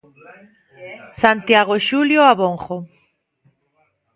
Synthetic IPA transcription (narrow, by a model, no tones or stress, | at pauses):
sant̪jaɣoʃuljoaβoŋχo